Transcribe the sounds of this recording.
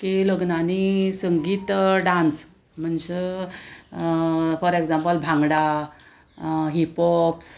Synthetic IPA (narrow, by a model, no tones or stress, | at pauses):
kiləɡnanisəŋɡiːt̪ɖãns | m̤əɳd͡ze | fəɾeɡd͡zampəlbʱãŋɡɽa | ɦipɔps